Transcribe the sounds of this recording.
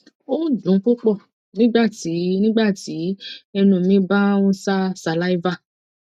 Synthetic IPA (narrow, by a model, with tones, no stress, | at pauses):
o˦dũ˨˦k͡pu˦k͡pɔ˦˨ | nĩ˦ɡ͡ba˦˨ti˨˦nĩ˦ɡ͡ba˦˨ti˨˦ɛ˧nũ˨˧˨mĩ˦ba˦ũ˦sa˦sa˨la˦i˦va˦˨